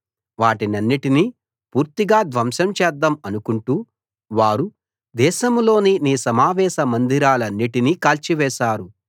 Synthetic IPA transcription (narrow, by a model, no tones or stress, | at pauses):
ʋaːʈinɐnːiʈini | puːɾt̪iɡaːd̪ʋɐmʃɐmt͡ʃɛːd̪ːɐmɐnukuɳʈuː | ʋaːɾu | d̪ɛːʃɐmlo̞ːniniːsɐmaːʋɛːʃɐmɐnd̪ʱiɾaːlɐnːiʈinikaːlt͡ʃiʋɛːʃaːɾu